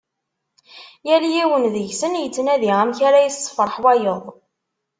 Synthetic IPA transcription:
jæljiwənðəʝsənjət͡sːnæðiʁæmçaɾajəsˤːə̥fɾˤħwæjəðˤ

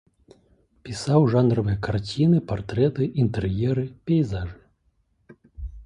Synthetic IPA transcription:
pʲisawʐanɾɐvɨjɐkart͡sʲinɨpart̪ɾɛt̪ɨʔint̪ɛrjɛɾɨpʲɛjzaʐɨ

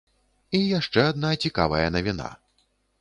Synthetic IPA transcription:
ijaʂt͡ʂɛad̪̚nat͡sʲika̰vɐjɐnɐvʲina̰

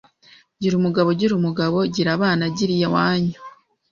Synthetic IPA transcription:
ɟiɾumuɡaβo̞ɟiɾumuɡaβo̞ɟiɾaβaːnaɟiɾijewaːɲu

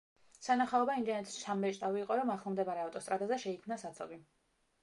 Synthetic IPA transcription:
sanaχaɔbaind̪ɛnɛt̪ʰʼst͡ʃʰamːɛʃʼt̪ʼaviːqʼɔɾɔmaχlˠmd̪ɛbaɾɛaft̪ʼɔst̪ʼɾad̪azɛʃɛikʰmnasat̪sʰɔbi

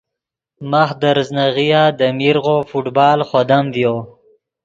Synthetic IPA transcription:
maxd̪əɾznaɣijad̪əmiɾɣofuʈbɑːlχod̪amvjo

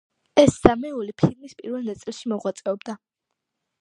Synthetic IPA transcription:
ɛsz̥amɛulipʰilmispʼiɾvɛlˠnat̪sʼilˠʃimɔʁwat̪sʼɛɔbd̪a

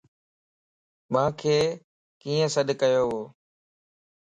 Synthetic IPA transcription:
mãːkʰeː | kiːə̃səɗkəjoːɦoː

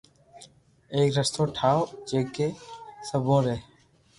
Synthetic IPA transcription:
eːkɾəst̪oːʈʰaːod͡ʒeːkeːsəbʱõːɾeː

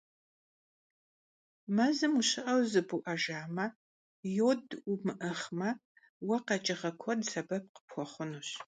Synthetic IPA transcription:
mɐzɨmuɕɪʔɐwzɨbuʔɐʒaːmɐ | joːdumɨʔɐχmɐ | wɐqɐt͡ʃʼɪʁɐkʷʰɔdsʰɐbɐp̚qə̥pxʷɔχʷʊnuɕ

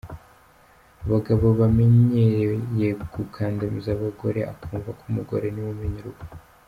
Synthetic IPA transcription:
aβaɡaβo̞βame̞ɲeɾeje̞ɡukʰaːndamizaβaɡo̞ɾe̞̰ʔa̰kuːɱvakumuɡo̞̰ɾe̞nimumeɲiɾuɡa

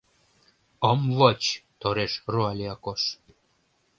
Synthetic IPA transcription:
əmvət͡ɕt̪oɾeʃruɑlʲiɑkoʃ

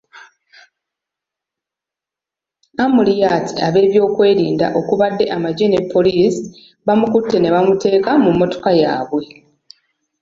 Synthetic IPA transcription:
amulijaːtʰi̥aβe̞ːβjo̞ːkwe̞ːɾiːnda̰ʔo̞kuβadːe̞ʔamaɟe̞ne̞pʰːo̞liːsi̥ | βamukutːe̞ne̞βamute̞ːkamumːo̞to̞̥kajaːβwe̞

